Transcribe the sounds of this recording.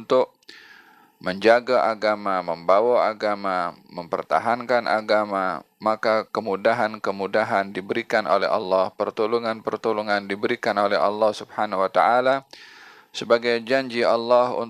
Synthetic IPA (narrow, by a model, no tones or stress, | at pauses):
nt̪ʊk̚ | məɲd͡ʒaɡaʔaɡamaməmbawaaɡamaməmpə̰rt̪a̰ɦankanʔa̰ɡama̰ | makakəmudaɦankəmudaɦandibəɾikano̰lɛ̰ɦɑ̰lːɑhpərt̪uluŋanpərt̪uluŋandibəɾikanolɛɦɑ̰lːɑhsubhanawat̪aʔala | səbaɡajd͡ʒaɲd͡ʒiɑlːɑhṵn